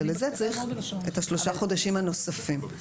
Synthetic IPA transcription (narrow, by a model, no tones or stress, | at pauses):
lezet͡saʁiχethaʃlo̞ʃaχo̞daʃimhano̞safim